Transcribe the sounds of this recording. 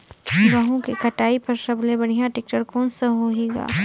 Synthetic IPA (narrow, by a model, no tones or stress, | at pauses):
ɡɐɦũkekɐʈaːipɐɾʃɐblebɐɽ̤ijãʈɪk̚ʈəɾkɔːnsɐɦoeːɡa̰ː